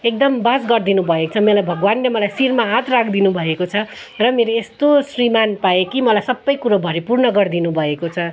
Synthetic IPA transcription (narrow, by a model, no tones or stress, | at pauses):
ek̚d̪ʌmbad͡zɡʌrd̪inubʱʌet͡sʰʌmelajbʱʌɡwanlemʌlajsirmaɦãt̪ʰrakʰd̪inubʱʌekot͡sʰʌ | rʌmeɾoest̪osrimanpaekimʌlajsʌbːʌjkuɾobʱʌɾipurnʌɡʌrd̪inubʱʌekot͡sʰʌ